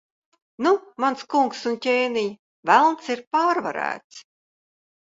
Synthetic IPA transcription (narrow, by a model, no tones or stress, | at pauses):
numanskuŋksuntʲeːnij | vælˠnt̪siɾpaːɾvaɾæ̰ːt̪s